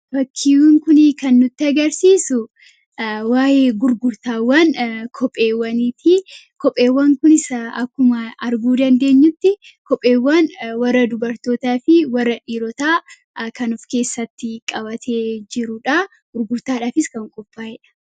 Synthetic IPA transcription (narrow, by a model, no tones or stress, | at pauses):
bɐkʰːiwŋkʊnɪkɐnːʊt̪ːɪɐɡɐɾsiːsʊ | waːjeːɡʊɾɡʊɾt̪aːwːɐnkʰɔpʼːeːwːɐniːt̪ʰɪ | kɔpʼːe̞ːwːɐŋkʊnɪsɐɐkːʊmɐɐɾɡuːd̪ɐnd̪e̞ːɲːʊt̪ːɪ | kɔpʼːe̞ːwːɐnwɐrːɐd̪ʊbɐɾt̪o̞ːt̪aːfɪwɐrːɐᶑiːɾɔt̪aː | kɐnʊfke̞ːsːɐt̪ːɪkʼɐbɐt̪ʰeːd͡ʒɪɾʊᶑa | ɡ̥ʊɾɡʊɾt̪aːᶑaːfɪskɐŋkʼɔfʼːaːhɪᶑɐ̥